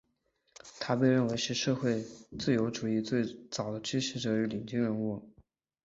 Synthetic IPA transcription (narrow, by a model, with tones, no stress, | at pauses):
t̪ʰa˥pe˥˧ɪɻə˥˩nwe˧˥ɪʂɻ̩˥˧ʂɤ˥˧xwe˥˧ɪt͡sɹ̩˥˩jo˧˥ʊʈ͡ʂu˨˩i˥˧t͡swe˥˩ɪt͡sɑ˨˩ʊd̪ə˦t͡ɕʰy˥ɕi˧˥ʈ͡ʂɤ˧˥y˧˥li˨˩ŋt͡ɕi˥ŋɻə˥˧nu˥˩